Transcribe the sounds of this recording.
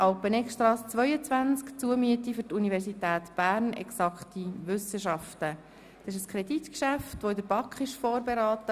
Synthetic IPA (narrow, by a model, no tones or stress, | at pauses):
ʔɑʊpənɛkstɾɑːst͡sʋœʏət͡svʋænt͡skt͡suəmyətifʏɾtunivɛrsitæːtb̥æːrnɛ̰ksɑkχtiʋʏsəʃɑftə | d̥sɪʃ̬əskχɾɛditkʃæftʋoɪdəɾbɑkχɪʃfɔːrbeɾɑːtə